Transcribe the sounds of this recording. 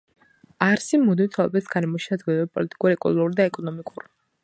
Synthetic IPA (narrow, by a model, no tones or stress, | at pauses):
aɾsimud̪it̪ʰalˠɔbɛsɡaɾɛmɔʃiad̪ɡɛd̪ɛɛpʼɔlit̪ʼi̥kʼuɾiɛkʼṵluɾd̪aɛkʼɔnɔmikʼuɾ